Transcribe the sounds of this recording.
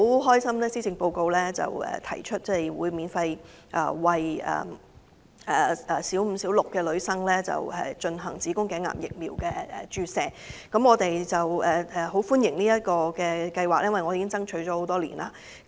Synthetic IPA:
wɦɔː˥jsɐ˥mlɛː˥siː˥t͡sɪ˧ŋpo˧wko˧wlɛː˥t͡sɐ̰˨˩wɛ̰ː˨t̪ʰɐ̰˨˩jt͡ʃʰɵ˥t̚t͡sɛ˥˩jwuː˨˧jmiː˨˧nfɐ˧j | ʔa̰ː˨˧wɐ˨jɛ̰ː˨˩ | ɛː˨˩ʔɛː˨siː˨˥wm̩˨˩siː˨˥wlʊ˨kːɛː˧lɵ˨˧ɥsɐ˥ŋlɛː˥t͡sɐ̰˨˩whɐ̰˨˩jt͡ʃɵ˧nɦɐ˨˩ŋt͡siː˨˥kʊ˥ŋkɛː˨˥ŋːa̰ː˨˩mjɪ̰˨k̚miː˨˩wkɛː˧ɛ̰˨t͡ʃyː˧sɛː˨˩ | kɐ˨˥mŋɔː˨˧t̪e˨jt͡sɐ˨wɛː˨˩ɛ˨ɦo˨˥wfuː˥njɪ˨˩ŋniː˥jɐ˥t̚kɔː˧kɛː˧kɐ˧jwaː˨k̚jɐ˥nwɐ˨jŋɔ˨˧iː˨˧kɪ˥t͡sɐ˥ŋt͡ʃʰɵ˨˥ɥt͡ʃɔː˨˥ho˨˧wt̪ɔː˥lḭː˨˩nʔaː˧

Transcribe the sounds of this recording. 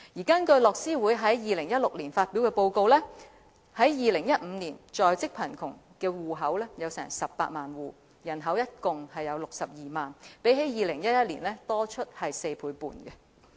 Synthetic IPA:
jiː˨˩kɐ˥nkɵ˧ɥlɔː˨k̚siː˥wu˨˥jɦɐ˨˥jjiː˨˧lɪ˨˩ŋjɐ˥t̚lʊ˨˩k̚liː˨˩nfaː˧t̚pi˨˥wkɛː˧po˧wko˧wlɛː˥ | hɐ˨˥jjiː˨˧lɪ˨˩ŋjɐ˥t̚m̩˨˧niː˨˩nt͡ʃɔː˨jt͡sɪ˥k̚pʰɐ˨˩nkʰʊ̰˨˩ŋkɛː˧wuː˨ɦɐ˨˥wlɛː˥jɐ˨˧wsɛ̰ː˨˩ŋsɐ˨p̚pa̰ː˧t̚maː˨nwuː˨ | jɐ˨˩nɦɐ˨˥wjɐ˥t̚kʊ˨ŋhɐ˨jɐ˨˧wlʊ˨k̚sɐ˨p̚jiː˨maː˨npe˨˥jɦe˨˥jiː˨lɪ˨˩ŋjɐ˥t̚jɐ˥t̚liː˨˩nlɛː˥t̪ɔː˥t͡ʃʰɵ˥t̚hɐ˨jse˧jpʰuː˨˥jpṵː˨nɡɛ˧

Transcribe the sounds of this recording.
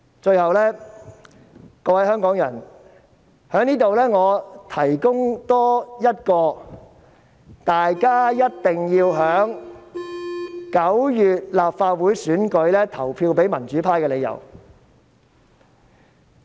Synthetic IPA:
t͡ʃɵ˧ɥhɐ˨wlɛː˥ | kɔː˧wɐ˨˥jhœː˥ŋkɔː˨˥ŋjɐ˨˩n | hœː˨˥ŋniː˥t̪o˨wlɛː˥ŋɔː˨˧t̪ʰɐ˨˩jkʊ˥ŋt̪ɔː˥jɐ˥t̚kɔː˧ | t̪aː˨jkaː˥jɐ˥t̚t̪ɪ˨˩ŋjiː˧wɦœː˨˥ŋ | kɐ˨˥wjyː˨t̚laː˨p̚faː˧t̚wuː˨˥jsyː˨˥nkɵ˨˧ɥlɛː˥t̪ʰɐ˨˩wpʰiː˧wpe˨˥jmɐ˨˩nt͡ʃyː˨˥pʰaː˧˥jkɛː˧le˨˧jɐ̰˨˩w

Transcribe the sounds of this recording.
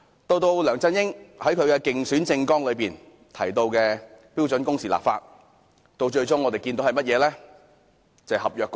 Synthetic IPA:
t̪o˧wt̪o˧wlœː˨˩ŋt͡sɐ˥njɪ˥ŋhɐ˨˥jkʰɵ˨˧ɥkɛː˧kɪ˨ŋsyː˨˥nt͡sɪ˧ŋkɔː˥ŋlɵ˨˧ɥpiː˨n | t̪ʰɐ˨˩jt̪o˧wkɛː˧piː˥wt͡sɵ˨˥nkʊ˥ŋsiː˨la̰ː˨p̚faː˧t̚ | t̪o˧wt͡ʃɵ˧ɥt͡sʊ˥ŋɔː˨˧t̪e˨jkiː˧nt̪o˨˥whɐ˨jmɐ˥t̚jɛː˨˧lɛː˥ | t͡sɐ˨˩hɐ˨p̚jœː˨k

